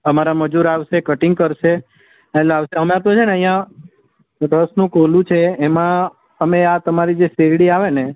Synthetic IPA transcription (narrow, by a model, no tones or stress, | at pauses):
əmaɾaməd͡ʒuɾaʋʃekəʈɪŋɡ̚kəɾʃe | eleaʋʃeɦəmẽap̪̚õd͡ʒʰenəɦĩjã | ɾəsnũkolũt͡ʃʰeːmã | əmeat̪əmaɾid͡ʒeseɾɽiaʋene